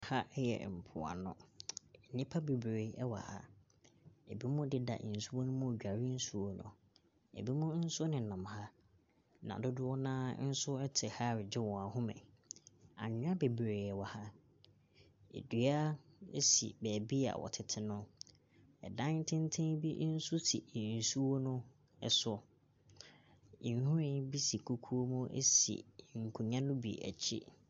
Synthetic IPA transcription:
ha˦ʔɛ˦jɛ̰˨m̩˨pʰʊ̰˨a̰˨nʊ̰̃˦˨ | nĩ˦pʰa˦be˨bɾe˨˦ɛ˦wa̰˨ha̰˦ | ḛ˨bi˦mʊ̃˦dɪ˦da̰˨n̩˨su˦wo˦nʊ̃˦mʊ̃˦˨d͡ʑᶣa˨ɾɪ˦n̩˦su˦o˦nʊ̰̃˨ | ḛ˨bi˦mʊ̃˦n̩˦sʊ˦nɪ̃˨nã˨mha˦ | nã̰˨dʊ˦dʊ˦ɔ˦nãː˦n̩˦sʊ˦ɛ˦tʰɪ˨ha˦˨ɾɪ˨d͡ʑɪ˦wɔ̃˨a˨hʊ̃˦mɛ̰̃˨ | ã̰˨ɲᶣ˦ã˦be˨bɾe˨ɛ˨wa˨ha˦ | ḛ˨dɥa˦ḛ˦sḭ˨bɛː˨bi˦a̰˨wɔ̰˨tʰɪ˨tʰɪ˦nʊ̃˦ | ɛ̰˨dã˦ntʰɪ̃˦n˦tʰẽ˦ŋbi˦n̩˦sʊ˦tʰḭ˨n̩˨su˦wo˦nʊ̃˦ | ɛ̰˨sʊ˦ | i˨n˨˦hũ˦ɾɪ̃˦n˦bi˦si˨kʰu˦kʰu˦o˦mũ˦ʔḛ˦sḭ˨ŋ̩˨kʰũ˨ɲã˦nʊ̃˦bḭ˨æ̰˨t͡ɕʰḭ˦

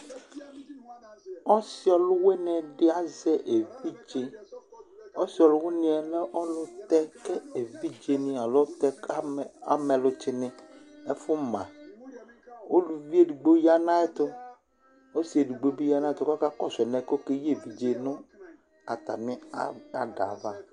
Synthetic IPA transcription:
ɔ˦si˦ɔ˨lʊ˦we˦nɛ̃˨ɖɪ˦a˨zɛ˦ʔe˨vi˦d͡ʒe˦ | ɔ˦si˦ɔ˨lʊ˦wo˦nĩ˦ɛ˨lɛ˦ʔɔ˦lʊ˦t̪ɛ˦kɛ˦e˨vi˦d͡ʒe˨nĩ˦a˨lo˦t̪ɛ˦a̰˦mɛ˨lʊ˦t͡ʃɪ˦nɪ̃˨e˦fʊ˦mã˨ | wo˦lu˨vi˦e˦du˨ɡ͡bo˦ja˦nã˦ɛ˦t̪ʊ˦ | o˦si˨e˨du˨ɡ͡bo˦bi˦ja˦nã˦ɛ˦˨t̪ʊ˦ka˦ka˦kɔ˦sɛ˨nɛ̃˨˦ko˦ke˦je˦˨vi˨d͡ʒe˨nʊ̃˦ | a˨t̪a˨nɪ̃˦a˦a˨ɖa̰˨va˦

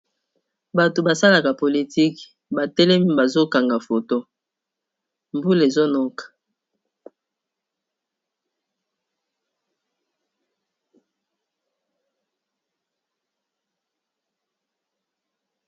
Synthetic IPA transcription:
ba˨to˨ba˨sa˦la˨ka˨po˨li˨ti˦k | ba˨tɛ˦lɛ˦mi˦ba˨zo˦ka˨ŋɡa˨fo˨to˦ | mbu˦le˨zo˦nɔ˦kḁ˨

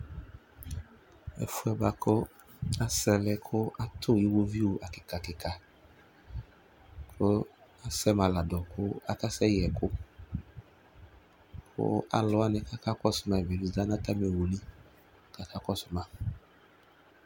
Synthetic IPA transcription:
ɛ̰˨fʊ˦ɛ˨˦ba˨kʰʊ˦ | a˦sɛ˨lɛ˦kʰʊ˦a˦t̪ʰʊ˦˨ji˦wo˦vi˦wo˨ʔa˨kɪ˨ka˨kɪ˨ka˨ | kʰo˦a˦sɛ˦mã˨la˨dɔ˨kʰʊ˦a̰˦ka˦sɛ˦jɛ˨kʰʊ˦ | kʰʊ̰˦a̰˨lɔ˦a˦nɪ˨ka˦ka˦kɔ˦sʊ˨mã˨vi˨ni˦da˦nã˦t̪a˦m˨e˨wo˨nĩ˦ | ka˨kʰa˦kɔ˦sʊ˨mã˨

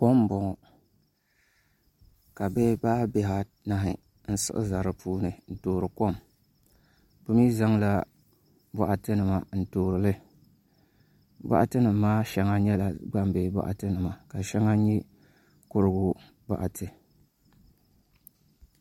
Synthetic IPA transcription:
ko˦m˦bɔ˨ŋɔ˨ | ka˨be˦baː˦be˨ɦa˨ | na˦ɦɪ˨ | n̩˦sɨ̰˦ʔɨ̰˦za˨ɾɨ˨puː˦nɨ˨n̩˨toː˨ɾɨ˨ko˦m | bɨ˦miː˦za˦ŋla˦ | ba̰˨ʔa˨tɨ˦nɨ˨ma˨n̩˦toː˨ɾɨ˨lɨ˦ | ba̰˦ʔa̰˦tɨ˦nɨ˨mː˦aː˦ʃɛ˦ŋa˦ɲɛ˦la˨ɡ͡ba˦m˦be˨ba̰˦ʔa̰˨tɨ˦nɨ˨ma˨ka˨ʃɛ˦ŋa˦ɲɛ˦ | kʊ˦ɾɨ˦ɡʊ˦ | ba̰˨ʔa˨tʰɨ˨

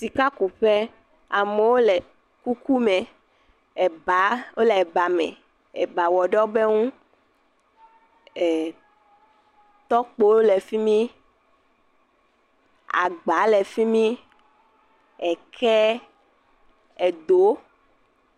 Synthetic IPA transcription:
si˨ka˦ku˨ɸɛ˦ | a˨mɛ˨wo˦lɛ˨ | ku˦ku˦mɛ̃˨ | ɛ˨ba˨˦wo˦lɛ˨ɛ˨ba˨mɛ̰̃˨ | ɛ˨ba˨wɔ˨ɖɔ˦be˦ŋũ˦˨ | t̪ɔ˦k͡po˦o˦lɛ˨fi˦mĩ˦ | a̰˨ɡ͡ba˨˦lɛ˨fi˦mĩ˦ | ɛ˨kʰɛ˦ | ɛ˨d̪o˨˦

